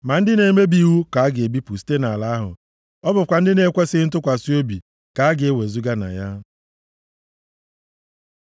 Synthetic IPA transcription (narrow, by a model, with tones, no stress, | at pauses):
ma˨n̩˦dɪ˦ne˨˦me˦bi˨wu˦ka˨a˦ɡe˨bi˦pu˨si̥˦te˦na˨la˨˦a˦ɦʊ̰˨ | ɔ˦bʊ˨kʷa˨n̩˦dɪ˦ne˨˦kʷe˦sɪ˦n̩˦t̬ʊ˦kʷa˨si˦o˦bi˨ | ka˨a˦ɡɪ˨e˦we˨zu˦ɡa˦na̰˨ja˦